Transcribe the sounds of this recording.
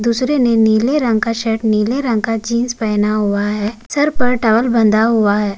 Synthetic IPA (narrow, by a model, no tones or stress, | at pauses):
d̪uːsɾeneniːleɾɐ̃ŋɡkaʃɛːʈniːleɾə̃ŋɡ̚kad͡ʒiːnspɛːnaɦʊaɦɛːsɐɾpɐɾʈɐʋəlbə̃nd̪aɦʊaɦɛː